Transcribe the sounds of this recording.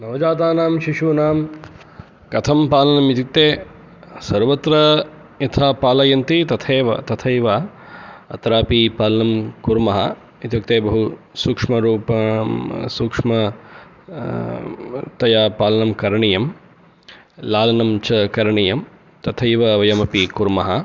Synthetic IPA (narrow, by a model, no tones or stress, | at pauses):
nɐʋd͡ʒaːt̪aːnaːmʃiʃunaːm | kɐt̪ʰɐmpaːlɐnɐmit̪ik̚t̪eː | sɐɾʋɐt̪ɾɐ | it̪ʰaːpaːlɐjɐnt̪it̪ɐt̪ʰeːʋɐt̪ɐt̪ʰɐjʋa | ɐ̰t̪ɾaːpipaːlɐnɐmkuɾmɐɦɐ̰ | it̪jɐk̚t̪eːbɐɦu | suːkʂmɐɾuːpɐ | suːkʂmɐ | t̪ɐjaːpaːlɐnɐmkɐɾɐɳijɐm | laːlɐnɐmt͡ʃɐkɐɾɐɳijɐm | t̪ɐt̪ʰɐjʋɐʋɐjɐmɐpikuɾmɐɦɐ